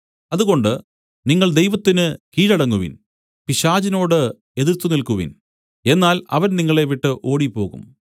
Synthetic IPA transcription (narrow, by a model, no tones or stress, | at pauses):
ɐðuɣo̞ɳɖɨ | niŋːɐɭd̪e̞jʋɐt̪ːinɨkiːɻɐɽɐŋːuʋḭn | piɕaːd͡ʑino̞ːɽɨ | e̞ðirt̪ːunilkuʋḭn | e̞nːaːlɐ̰ʋɐnniŋːɐɭeʋiʈːɨʔo̞ːɽipo̞ːɣṵm